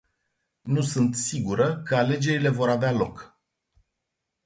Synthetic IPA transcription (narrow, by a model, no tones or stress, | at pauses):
nusunt̪siɡuɾəkəale̞d͡ʒe̞ɾile̞vo̞ɾavealo̞k